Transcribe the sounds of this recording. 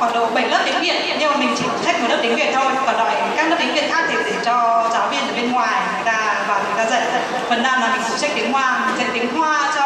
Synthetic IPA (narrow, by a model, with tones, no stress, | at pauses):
kɔ˧˩ɗo̰˧˨ɓə˧˩jlə˦˥p̪̚ï˨˦ŋ̟vḭ˧˨ən˧ənʔe˧˩mï˨˩ŋ̟t͡ɕi˧˩˨sʰa˦˥k̚mː˧˩lə˦˥p̚ti˨˦ŋvi˧˨ənt̪ʰo˧jvaː˨˩ɗɔ˧˩jkaː˦˥k̚nə˦˥p̪̚i˨˦ŋvḭ˧˨ənt̪ʰaː˦˥k̚t̪ʰe˧˩ɗe˧˩t͡ɕɔ˧t͡ɕaː˨˦wɓi˧ənʔəː˧˩ɓe˧nŋwaː˨˩jŋəː˨˩jt̪aː˧vaː˨˩ŋə˨˩jt̪aː˧zə̰˧˨j | fə˨˩nɗaː˧˩na˨˦ɓï˨˧˩ŋsɨ˨˧˩sa˦˥k̚t̪i˨əŋhwaː˧m˨˩sə˨˧˥k̚t̪i˨˦əŋɦwaː˧t͡ɕ